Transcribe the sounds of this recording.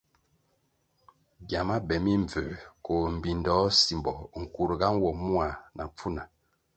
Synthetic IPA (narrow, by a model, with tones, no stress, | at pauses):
ɡja˨ma˦bɛ˨mi˦ɱ˨vøː˨ko˨m̩˨bi˨ndɔ˨˦si˨mbɔ˨ŋ̩˨ku˨ɾɡa˦n˦wɔ˨mu˦a˨na˨p͡fu˦na˨